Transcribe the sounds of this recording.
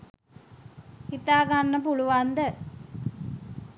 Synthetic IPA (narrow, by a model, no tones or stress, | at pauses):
hit̪aːɡanːəpuluʋand̪ə